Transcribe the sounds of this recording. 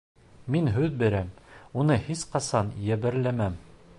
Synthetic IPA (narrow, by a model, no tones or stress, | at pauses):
minɦʉðbɘ̆ɾæmunɤhisqɑsɑnjæβɘ̆ɾlæmæm